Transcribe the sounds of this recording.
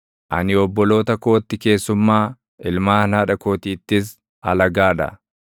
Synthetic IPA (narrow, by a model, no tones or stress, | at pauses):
ʔɐ̰nɪɔbːɔlo̞ːt̪ɐko̞ːt̪ːɪke̞ːsːʊmːaː | ɪlmaːnaːᶑɐko̞ːt̪iːt̪ːɪs̬ | ɐ̰lɐɡaːᶑɐ̰